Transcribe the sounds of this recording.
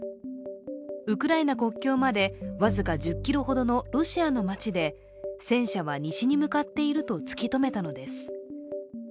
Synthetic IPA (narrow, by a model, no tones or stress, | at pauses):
ɯ̟kɯ̟ɾainako̞kʲːo̞ːmad̪e̞βazɨkad͡ʑɨkʲːiɾo̞ho̞d̪o̞no̞ɾo̞ɕiano̞mat͡ɕid̪e̞ | sẽ̞ɰ̃ɕaβ̞aɲ̟iɕiɲ̟imɯ̟kat̪ːe̞iɾɯ̟t̪o̞t͡sɨ̥kʲit̪o̞me̞t̪ano̞d̪e̞sɨ̥